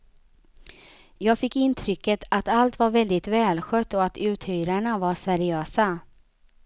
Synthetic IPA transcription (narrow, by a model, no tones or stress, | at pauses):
jɑːɡfɪkːɪnt̪ʰɾʏkːət̪ʰat̪alt̪vaɾvɛld̪ɪt̪vɛːlɧœt̪ːɔat̪ʉ̟ːt̪hyːɾaɳavasɛɾɪøːsa